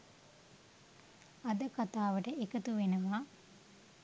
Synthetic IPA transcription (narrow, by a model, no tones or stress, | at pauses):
ɐd̪əkat̪aːʋəʈəekət̪uʋenəʋaː